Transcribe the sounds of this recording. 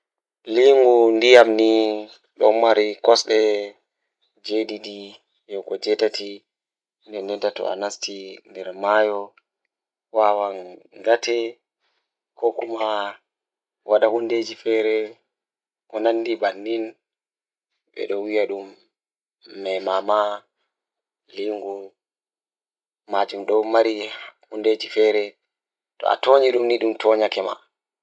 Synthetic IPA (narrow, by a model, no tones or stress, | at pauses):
liŋɡundijamni | ɗɔmaɾikɔsɗɛ | d͡ʒedidi | jɔkɔd͡ʒɛtatʰi | ndɛndɛntatɔ̰a̰nastindɛɾmajɔ | wawanɡatɛ | kɔkuma | wʔaɗahunded͡ʒifɛɾɛ | ʔɔnanːdibanːin | ɓɛ̰ɗɔwijaɗumː | ɛmama | liŋɡu | mad͡ʒumɗɔwmaɾihunded͡ʒifɛːɾɛ | tɔ̰a̰toːɲiɗumniɗumtɔɲakɛma̰